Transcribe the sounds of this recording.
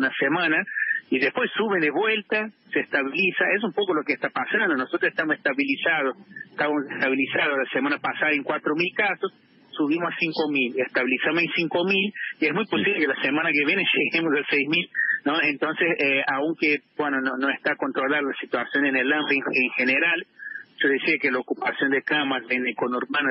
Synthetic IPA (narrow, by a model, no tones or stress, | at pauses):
unasemãnaiðespwe̞sːuβend̪eβwe̞lt̪aseːst̪aβilisaes̬umpo̞kolo̞kest̪apasand̪ono̞sot̪ɾoseht̪amoseht̪aβilisað̞ose̥ht̪aβamosehst̪aβilisaðoslasemãnapasaðaeŋkwat̪ɾomilkasosː | uβimosasiŋko̞milest̪aβilisamosensiŋko̞miliezmujpo̞siβlekelasemãnakeβjeneʒeɣemosalsejzmilnoent̪o̞nseseauŋkebwenononoest̪ako̞nt̪ɾo̞laɾlasit̪wasjo̞nenelampeeŋxeneɾalʒ̥oðesiakelaokupasjo̞nd̪ekamasenekonuɾmano